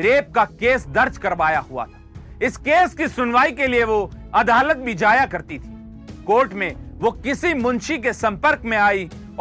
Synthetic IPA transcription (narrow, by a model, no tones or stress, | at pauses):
ɾeːp̚kakeːsd̪ɐɾd͡ʒkɐɾʋaːjaɦʊa̰t̪ʰḁɪskeːskisʊnʋaːikelieʋoɐd̪aːlət̪̚bʱid͡ʒaːjakɐɾt̪it̪ʰi̥ː | koːɾʈmẽʋokɪsimʊ̃nʃikesɐ̃mpəɾkmẽaːi